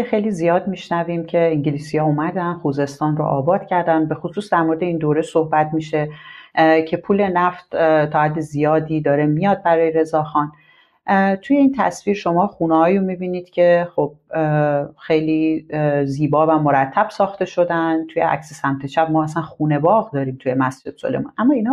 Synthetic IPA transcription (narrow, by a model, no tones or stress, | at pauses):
xejlizijɒːd̪miʃnæviːmcʰe̞iŋɟeliːsijɒumæd̪ænxuːze̞st̪ɒːnro̰ʔɒːbɒːd̪̥cʰæɾd̪ænbe̞xosuːsd̪æɾmo̞ɾed̪e̞iːnd̪oːɾesohbæt̪miʃe̞ | cʰe̞pʰuːle̞næft̪t̪ʰɒːhæd̪ːezijɒːd̪iːd̪ɒːɾe̞mijɒːd̪̚bæɾɒːjeɾe̞zɒːxɒn | t̪ʰuje̞iːnt̪ʰæ̰sviːɾʃo̞mɒːxuːneɦɒːjumibiːniːd̪̥cʰe̞xo̞b̥̚ | xe̞jliːziːbɒːvæmoɾæt̪ʰːæb̥sɒːxt̪e̞ʃo̞d̪ænt̪ʰujḛʔæ̰csesæmt̪ʰe̞ʃæb̚mɒːæsænxuːne̞bɒːɣd̪ɒːɾiːmt̪ʰuje̞mæsd͡ʒe̞d̪̥so̰lemṵnʔæmːɒːiːnɒ